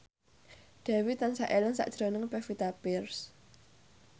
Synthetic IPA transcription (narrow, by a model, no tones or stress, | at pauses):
ɖ̥a̤wit̪ansaʔeləŋsa̰ʔd̥ʒ̥ɾonəŋpɛfit̪apɪrs